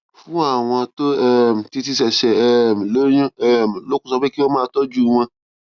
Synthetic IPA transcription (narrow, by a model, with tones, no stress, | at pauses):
fũ˦a˦˨w̃ɔ̃˧to˦ɛ˦m̩˨ti˧t̬i˧sɛ˨ʃɛ˨ɛ˦˨m̩˨lo˦jũ˦ɛ˦˨m̩˨lo˦ku˦˨ɔ˧be˦ki˦ɔ˦mãː˦˧˨tɔ˦d͡ʒu˦˨w̃ɔ̃˧